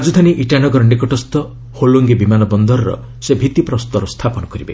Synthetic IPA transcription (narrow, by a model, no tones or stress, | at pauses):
ad͡ʒud̪ʱaniʔiʈanɔɡɔɾɔnikɔʈɔst̪ɔ | holuŋɡebimanɔbɔnd̪ɔɾɔɾɔ̰ | sebʱit̪ipɾɔst̪ɔɾɔst̪ʰapɔnɔkɔɾibḛ